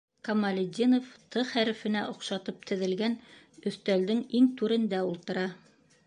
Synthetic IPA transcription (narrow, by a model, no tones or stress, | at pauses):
kɐmɐlʲɪd̪ʲinoft̪ʰɤχæɾɘ̆fɘ̆næʔŏqʃɑt̪ɤp̚t̪ʰɘ̆ðɘ̆lɡænɵ̆θt̪æld̪ɘŋiŋt̪ʉɾɘ̆nd̪æulˠt̪ɤ̆ɾɑ